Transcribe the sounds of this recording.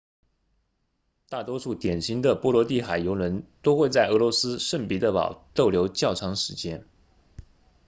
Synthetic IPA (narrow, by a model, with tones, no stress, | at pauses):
t̪a˥˩t̪wɔ˥ʂu˥˩t̪jɛ˨˩nɕi˧˥ŋd̪ə˨pwɔ˥lwɔ˧˥t̪i˥˩xa˨˩ɪjo˧˥ʊlwə˧˥nt̪o˥ʊxwe˥˧ɪt͡sa˥˩ɪʔɤ˧˥lwɔ˧˥sɹ̩˥ʂə˥˩npi˧˥d̪ə˥˩pɑ̰˨˩ʊt̪o˥˩ʊljo˧˥ʊt͡ɕjɑ˥˩ʊʈ͡ʂʰɑ˧˥ŋʂɻ̩˧˥t͡ɕjɛ˥n